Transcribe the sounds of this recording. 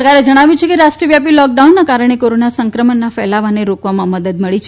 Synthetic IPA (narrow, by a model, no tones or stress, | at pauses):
ɾkaɾed͡ʒəɽ̃aʋjũt͡ʃʰekeɾaʃʈɾiəʋjapilɔk̚ɖaunːakaɾəɽ̃ekoɾonasəŋkɾəmənːafɛlaʋaneɾokʋamãməd̪əd̪məɭit͡ʃʰ